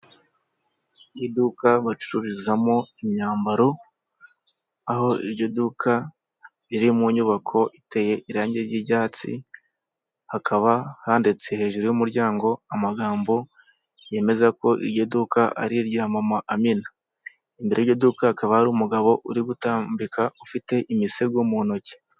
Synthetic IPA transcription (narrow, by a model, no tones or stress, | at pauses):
jidukaβat͡ʃu̥ɾuɾizamo̞imɲaːmbaɾo | aho̞ḭɾɟodukʰa | iɾimuɲuβakʰo̞ʔite̞je̞ʔiɾaːɲɟeɾɟiɟaːt͡sḭ | hakʰaβahaːndet͡se̞he̞ːʒuɾujumuɾɟaːŋɡo̞amaɡaːmbo̞ | je̞me̞zako̞ʔḭɾɟodukaa̰ɾiɾɟaːmamaʔamina | imbeɾʔeɾɟodukahakaβahaɾuːmuɡaβo̞ʔuɾiɡutaːmbikʰaufite̞ʔimiseɡomuno̞ce̥